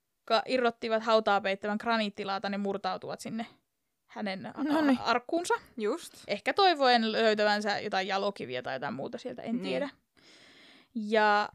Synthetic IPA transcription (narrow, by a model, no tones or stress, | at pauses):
kːɑʔirːot̪ːiʋɑt̪hɑut̪ɑːpeit̪ːæʋæŋkrɑniːt̪ːilɑːt̪ɑnemurt̪ɑut̪uʋɑt̪sinːe | hænenɑrkːuːnsɑjust̪ʔehkæt̪oiʋoenløyt̪æʋænsæjot̪ɑijɑlokiʋḭɑt̪ɑ̰jot̪ɑimṵːt̪ɑsielt̪æ̰ʔent̪iedæ | jɑ